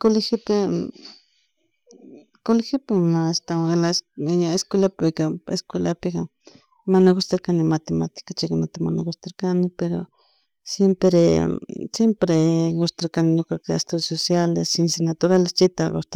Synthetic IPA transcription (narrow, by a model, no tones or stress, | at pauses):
kolixipe | kolixipemast̪aelasjaeskʷelapekaḛskwelapika | manaɣost̪eɾkanimat̪emat̪i̥kat͡ʃekanat̪emanaɡost̪eɾkanɪpeɾo̰ | sjempɾesjempɾeɡost̪eɾkanɪnokaka̰st̪usosjalesinsinat̪oɾalest͡ʃit̪aɣo̰st̪